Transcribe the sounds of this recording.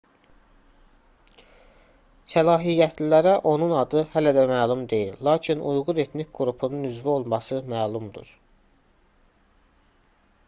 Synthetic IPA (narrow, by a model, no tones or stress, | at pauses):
sælɑːɦijːæt̪ʰlilæɾæʔo̞nunɑd̪ɯhælæd̪æmæːlˠumd̪e̞jillɑːcʰinujʁuɾe̞t̪ʰnicɡuɾupʰununyzvio̞lˠmɑsɯmæːlˠumd̪ṵɾ̥